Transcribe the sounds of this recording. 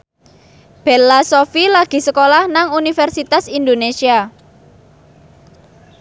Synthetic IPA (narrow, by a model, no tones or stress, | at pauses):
b̥elasofilaɡ̥i̤səkolahnaŋunifɛrsit̪asind̪onesia